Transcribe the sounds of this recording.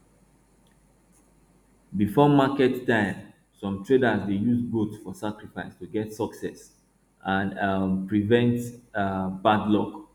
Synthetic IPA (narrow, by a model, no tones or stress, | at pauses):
bifɔmakɛtːãɪ̃m | sɔ̃mtʰɹedazdejuzɡotfɔsakɹifaɪstuɡɛtsɔksɛs | ʔãnpɹivɛ̃nt | badlɔk